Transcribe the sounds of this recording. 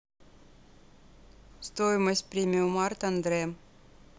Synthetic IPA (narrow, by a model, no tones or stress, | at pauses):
st̪ojɪməsʲt̚ʲpɾʲimʲɪʊmart̪ɐnd̪ɾɛm